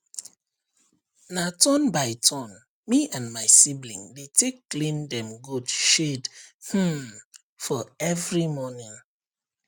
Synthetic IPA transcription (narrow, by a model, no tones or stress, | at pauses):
natʰɔ̃nbaɪtʰɔ̃n | miãndmaɪsiblḭ̃ŋdetʰekːlĩndɛ̃mɡudʃedh̩ | fɔɛvɹimɔnĩŋ